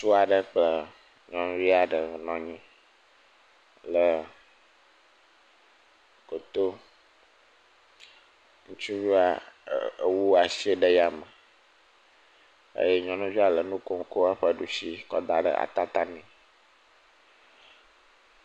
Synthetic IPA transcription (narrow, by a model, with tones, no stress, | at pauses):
su˦a˨ɖə˨k͡plə˨ | ɲɔ̃˨nũ˦vi˦a˨ɖə˨nɔ̃˨ɲĩ˦ | lə˨ | ko˨t̪o˦ | ŋũ˦t͡ʃu˦vu˦a˨ | wu˦a˨si˦e˦ɖə˦ja˨mə˨ | ḛ˦je˦ɲɔ̃˨˦nũ˦d͡ʒu˦a˨lə˨nũ˦ko˦ŋ˦ko˦a˦ɸə˦ɖu˨si˦kɔ̰˦d̪a˨ɖə̰˦ʔa̰˨t̪a˦t̪a˦nĩ˨